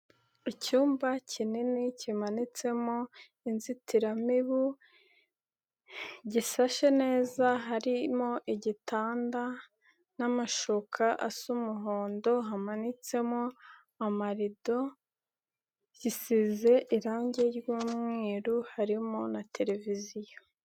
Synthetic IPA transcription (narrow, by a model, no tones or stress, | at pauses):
icuːmbacʰininicimanit͡se̞mo | inzitiɾamiβu | ɟisaʃe̞ne̞ːzaɦaɾimo̞ʔiɟitʰaːnda | namaʃokʰaʔasumuɦoːndo̞ɦamanit͡se̞mo | amaɾido̞ | ɟisize̞ʔiɾaːɲɟe̞ɾjuːmŋeːɾuhaɾimonatʰe̞ɾe̞vizijo